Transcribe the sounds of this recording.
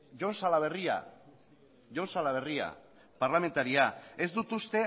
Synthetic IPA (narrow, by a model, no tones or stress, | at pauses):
ʝo̞nsalaβe̞ria̰ | ʝo̞nsalaβ̞e̞ria̰ | paɾlame̞nt̪aɾiae̞zd̪ut̪ust̪e̞